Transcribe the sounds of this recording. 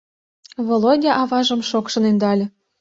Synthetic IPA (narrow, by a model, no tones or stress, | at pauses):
volodʲɑʔɑvɑʒɤ̆mʃokʃɤ̆nynd̪ɑlʲɤ̆